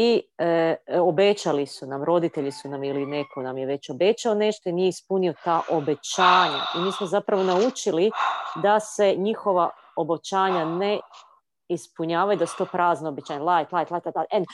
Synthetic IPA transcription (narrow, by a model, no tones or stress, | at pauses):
i | o̞be̞t͡ɕalisunamɾo̞d̪it̪e̞ʎisunamiline̞kʰo̞namje̞ʋe̞t͡ɕo̞be̞t͡ɕaone̞ʃt̪o̞inijeispunio̞t̪aːʔo̞be̞t͡ɕaːɲa̰imiːsmozapɾaʋo̞naut͡ʃilid̪ase̞ɲixo̞ʋa | o̞bot͡ɕaːɲane̞ | ispuɲaːʋajud̪asu̥t̪o̞ːpɾaːznoobet͡ɕaːɲalˠajt̪lˠajt̪lajt̪at̪aen